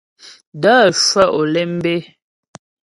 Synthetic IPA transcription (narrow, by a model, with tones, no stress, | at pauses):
dəː˦˨sə˦˨ʔo˨lɛ˦m̩˦be˦